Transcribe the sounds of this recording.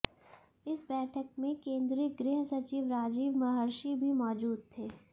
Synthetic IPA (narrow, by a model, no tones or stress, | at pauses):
ɪsbɛːʈʰəkmẽkẽːnd̪ɾɪɡɾɪɦsɐt͡ʃiːʋɾaːd͡ʒiːʋmɐɦəɾʃibʱimɔːd͡ʒuːd̪̚t̪ʰeː